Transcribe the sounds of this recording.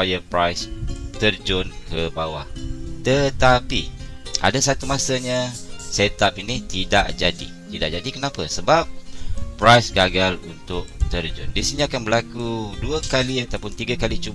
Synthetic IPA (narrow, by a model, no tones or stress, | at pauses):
ajəpɾajst̪ərd͡ʒʊnkəbawaht̪ət̪apia̰dasat̪umãsaɲãset̪apinit̪idaʔd͡ʒadḭt̪idaʔd͡ʒadikənãpasəbap̚ːɾajsɡaɡalunt̪ʊʔ̚t̪ərd͡ʒʊ̰ndisiniakanbəlakuduakaliat̪awpʊnt̪iɡakalit͡ʃu